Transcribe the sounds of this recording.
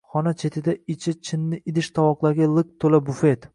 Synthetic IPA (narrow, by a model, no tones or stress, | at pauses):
χɒnat͡ʃʰe̞t̪ʰɪd̪aɪt͡ʃʰɪt͡ʃʰɪnːɪʔɪd̪ɪʃt̪ʰawɒqlˠaɾɡʲalˠɨk̚t̪ʰolabʊfe̞t̪